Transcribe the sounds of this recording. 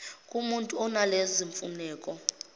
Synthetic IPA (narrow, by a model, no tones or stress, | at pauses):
kʼumuntʼuɔnaleziɱfṵnɛːkʼɔ